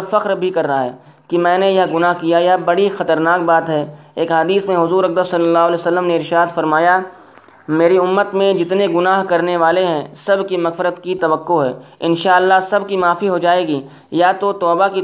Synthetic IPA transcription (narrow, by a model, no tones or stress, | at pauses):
fɐqɾbʱikɐɾːɦaɦɛ̰ː | kimɛ̃ːnejɐɦɡʊnaːɦkijajɐɦbɐɽixɐt̪əɾnaːk̚baːt̪ɦɛːeːkɦɐd̪iːsmẽɦʊzuːɾɐk̚d̪əsɐlːəlːaːɦʊlɛːsɐlːəmneɪɾʃaːd̪fɐɾmaːja | meːɾiʊmːət̪mẽd͡ʒɪt̪neɡʊnaːɦkɐɾneʋaːleɦɛ̃sɐbʱkimɐɣfɪɾət̪kit̪ɐʋəqːoɦɛːɪnʃaːəlːaɦsɐbʱkimaːfiɦod͡ʒaːeːɡiː | jat̪ot̪ɔːbaki